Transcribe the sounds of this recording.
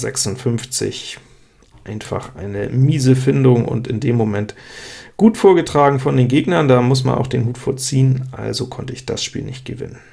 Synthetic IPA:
zɛ̰ksʊntfʏmft͡sɪ̰ç | ʔʔaɪnfa̰χʔa̰ɪnə̰miːzəfɪndʊŋʔʊ̰ntɪndeːmːomɛntɡ̥uːtfoːɐɡətʁ̥aːɡŋ̩fɔndeːnɡeːɡnɐndaːmʊsma̰nʔa̰ʊxd̥eːnɦuːtfoːɐt͡siːənʔa̰lzokʰɔntəɪçd̥a̰sʃpiːlnɪçt̚ɡ̥əvɪ̰nən

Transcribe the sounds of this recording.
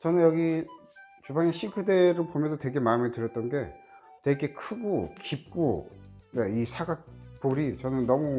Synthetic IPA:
t͡ɕʌnɯnjʌɡi | t͡ɕubaŋeɕʰikʰɯde̞ɾɯɭpomjʌnsʰʌtwe̞ɡemametɯɾjʌt͈̚ʌnɡe̞ | twe̞ɡe̞kʰɯɡokip̚k͈one̞isʰaɡak̚p͈oɾit͡ɕʌnɯnːʌmu

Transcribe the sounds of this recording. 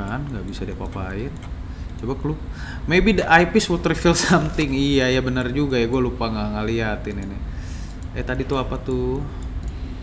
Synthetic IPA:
anŋɡaʔbisadiapapaɪn | t͡ʃobaklu | mebidʔajpɪswut̪rifilsamt̪ɪŋijajabənərd͡ʒuɡajaɡualupaŋaŋaliɦat̪ininɪ | ɛt̪adit̪uapat̪ʊ

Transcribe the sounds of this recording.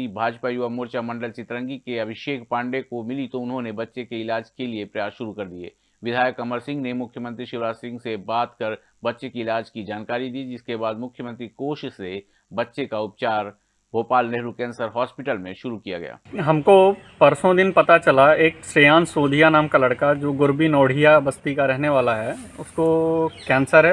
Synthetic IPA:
ibʱaːd͡ʒpajuʋamoːɾt͡ʃamɐ̃ɳɖəlt͡ʃɪt̪ɾə̃ŋɡikeɐbʱɪʃeːkpãːɳɖekomɪlit̪oʊnɦõnebɐtːʃekeɪlaːd͡ʒkeliepɾɐjaːsʃʊɾukɐɾd̪iḛː | ʋɪd̪ʱaːjəkɐməɾsɪ̃ŋɡnemʊkʰjəmə̃nt̪ɾiʃɪʋɾaːsɪ̃ŋɡsebaːt̪kɐɾ | bɐtːʃekiɪlaːd͡ʒkid͡ʒaːnkaːɾid̪iːd͡ʒɪskebaːd̪mʊkʰjəmə̃nt̪ɾikoːʃse | bɐtːʃekaʊp̚t͡ʃaːɾ | bʱoːpaːlnɛɦɾukɛ̃ːnsəɾɦɔːspɪʈəlmẽʃʊɾukija̰ɡɐja̰ːɦɐmkopɐɾsõd̪ɪnpɐt̪at͡ʃɐlaeːkʃejaːnsoːd̪ʱijanaːmkalɐɽkad͡ʒoːɡʊɾbinɔːɽ̤ʱijabəst̪ikaɾɛɦneʋaːlaɦɛʊskokɛ̃ːnsəɾɦɛ

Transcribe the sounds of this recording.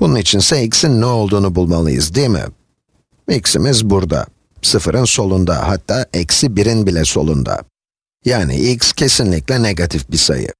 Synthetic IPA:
b̥ununit͡ʃʰinsɛicsinːɛo̞lˠd̪uːnubulˠmalˠɯ̰jɯ̰zd̪ijmɪ̰ | icsimizbuɾd̪a̰ | sɯfɯɾʔɯnso̞lˠund̪a̰hat̪ʰːaːʔɛcsibiɾinbilʲɛso̞̰lˠund̪a̰ | jaːnḭʔicscʰe̞sinlʲiclʲɛneɡat̪ʰifbisa̰jɯ̰

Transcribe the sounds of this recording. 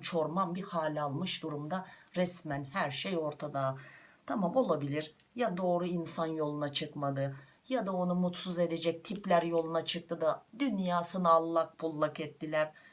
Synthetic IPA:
t͡ʃʰo̞ɾmambihaːlʲalˠmɯʃd̪uɾumd̪aɾɛsmænhæɾʃejo̞ɾt̪ʰad̪at̪ʰamamo̞lˠabilʲiɾ | jad̪o̞ːɾuinsanjo̞lˠunat͡ʃʰɯkmad̪ɯ | jad̪ao̞numut̪suze̞d̪ed͡ʒɛc̚t̪ʰiplʲæɾjo̞lˠunat͡ʃʰɯk̚t̪ʰɯd̪ad̪ynjaːsɯnaːlˠːak̚pʰulˠːakɛt̪ːilʲæɾ̥

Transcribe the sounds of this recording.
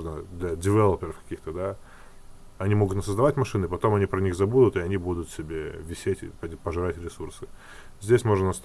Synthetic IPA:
ʐnəd̪lʲɐdʲɪvʲɛlˠəpʲɪɾəfkɐ̥kʲixt̪əd̪a | ɐnʲimo̞ɡʊt̪nʲəsəzd̪ɐvatʲmɐʂɨnɨpɐt̪o̞mɐnʲipɾənʲixzɐbud̪ʊt̪ɪɐnʲibud̪ʊt̪sʲɪbʲevʲɪsʲetʲɪ̰pəpəʐɨɾatʲɾʲɪsursɨ | zʲdʲesʲmo̞ʐnənɐst̪

